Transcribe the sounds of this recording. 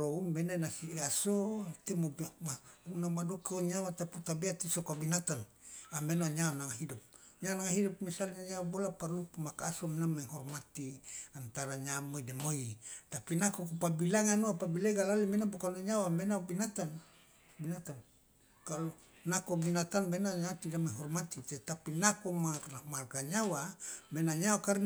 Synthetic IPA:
loumbenanasiasot̪emomaunamadokoɲawat̪aput̪abeat̪isokabinat̪an | amenoaɲawanaŋaɦidup̚ | ɲawnaŋaɦidup̚misalɲaɲawabolaparupumakaasomenameŋɦɔrmat̪iant̪aɾaɲamoidemoit̪apinakokupabilaŋanoapabileɡalalimenabokaloɲawamenabinat̪an | binat̪an | kalo | nakobinat̪anbenaɲat̪idamaɦɔrmat̪it̪ɛt̪apinakomaamarɡaɲawamenaɲawakaɾ

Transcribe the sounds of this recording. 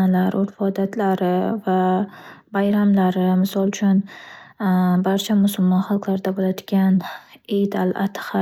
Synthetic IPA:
alaɾʔoɾfɒd̪at̪ʰlaɾɪva | bajɾamlaɾɪmɪsɒlˠt͡ʃʰʊn | baɾt͡ʃʰamʊsʊlmɒnχɑlˠqlaɾɪd̪abolajd̪ɪɡʲanejd̪alʔat̪ʰχa

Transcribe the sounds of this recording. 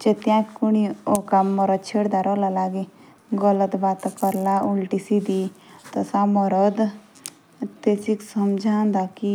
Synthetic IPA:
d͡ʒet̪jãkuɽ̃iokaməɾəd̪̚t͡ʃʰeɽd̪aɾɔlalaɡi | ɡələt̪bat̪kəɾlaulʈisid̪it̪əsaməɾəd̪ | t̪esiksəmd͡ʒʱãnd̪aki

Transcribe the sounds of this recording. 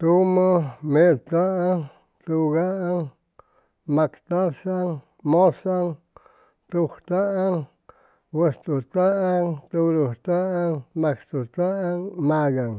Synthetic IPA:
t̪umomet̪aʔaŋ | t̪uɡaʔaŋ | makt̪asaŋ | mosaŋ | t̪uxt̪aʔaŋ | wwest̪ut̪aʔaŋt̪uɾuht̪aʔaŋmakt̪ut̪aaŋmaɡaŋ

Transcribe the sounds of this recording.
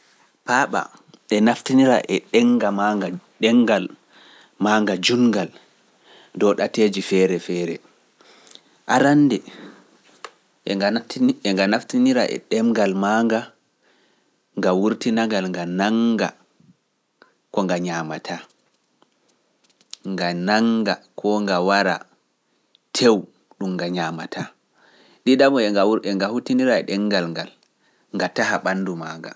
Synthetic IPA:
paɓa̰ | ɛnaftiniɾa̰ʔɛɗɛŋɡamaɡaɗɛŋɡal | maŋɡad͡ʒuŋɡal | dɔɗateːd͡ʒifɛɾɛfɛːɾɛ | ʔaɾanːdɛ | ɛŋɡanaftiniɾa̰ʔɛ̰ɗɛmɡalmaŋɡa | ŋɡawuɾtinaɡalŋɡanaŋɡa̰ | kɔŋɡaɲaːmatʰa | ŋɡanaŋɡakʰɔŋɡawaɾa̰ | tʰew | ɗumːɡaɲaːmatʰaː | ɗiɗamɔɛɛŋɡahutiniɾaɛ̰ɗɛŋɡalŋɡal | ŋɡatahaɓanːdumaːŋɡa̰

